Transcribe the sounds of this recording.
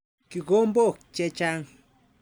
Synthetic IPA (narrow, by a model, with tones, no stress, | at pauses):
ki˨ɡo˦mbo˦˨kt͡ʃe˦t͡ʃa˦ŋ